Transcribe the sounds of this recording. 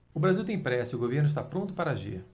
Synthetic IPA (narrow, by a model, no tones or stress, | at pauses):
ʊbɾaziwt̪ẽj̃pɾɛsɪʊɡoveɾnʊis̬t̪apɾõnt̪ʊpaɾɐaʒḭɾ